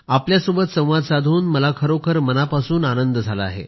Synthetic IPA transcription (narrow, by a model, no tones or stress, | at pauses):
apljasubət̪sə̃w̃ʋad̪sad̪ʱuːnməlakʰəɾokʰəɾmənapasuːnanənd̪əd͡zʱaləa̰ɦḛ